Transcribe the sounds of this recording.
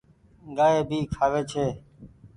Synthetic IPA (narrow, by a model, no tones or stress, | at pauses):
ɠaːɦeːbʱiːkʰaːʋeːt͡ʃʰeː